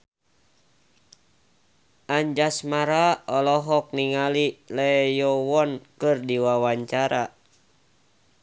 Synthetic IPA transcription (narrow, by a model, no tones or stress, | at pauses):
ʔaɲd͡ʒasmaɾaɔlɔɦɔk̚niŋalilɛjɔwɔnkɨrdiwawaɲt͡ʃaɾa